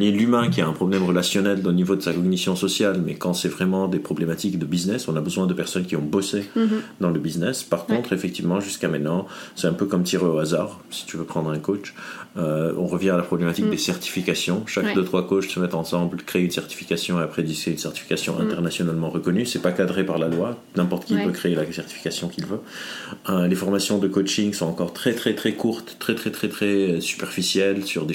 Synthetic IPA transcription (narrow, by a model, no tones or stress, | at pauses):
mɛlymɛ̃kʲiaɛ̃pχɔblɛmʁəlasjɔnɛlonivod̪əsakɔɡnisjɔ̃sɔsjalmɛ̰kɑ̃sɛvʁɛmɑ̃d̪epχɔblemat̪ikd̪əbiznɛsɔ̃nabəzwɛ̃d̪əpɛʁsɔnkʲiɔ̃bɔsed̪ɑ̃ləbiznɛspaʁkɔ̃t̪χefɛk̚t̪ivmɑ̃ʒyskamɛ̃t̪nɑ̃sɛɛ̃pøkɔmt̪iʁeoazaːʁ | si̥t̪yvøpχɑ̃d̪ʁɛ̃kot͡ʃøɔ̃ʁəvjɛ̃alapχɔblemat̪ik̚d̪esɛʁt̪i̥fikasjɔ̃ʃakd̪ət̪χwakot͡ʃsəmɛt̪ɑ̃sɑ̃blkχeynsɛʁt̪i̥fi̥kasjɔ̃eapχed̪iseynsɛʁt̪ifi̥kasjɔ̃ʔɛ̰̃t̪ɛʁnasjɔnalmɑ̃ʁəkɔnysɛpakad̪ʁepaʁlalwa | nɛ̃pɔʁt̪ə̥kʲilvøkχeːlasɛʁt̪ifi̥kasjɔ̃kilvø | əlefɔʁmasjɔ̃d̪əkot͡ʃiŋsɔ̃ɑ̃kɔʁt̪χɛt̪χɛt̪χɛkuʁt̪ːχɛt̪χɛt̪χɛt̪χɛsy̥pɛʁfisjɛlsyʁd̪e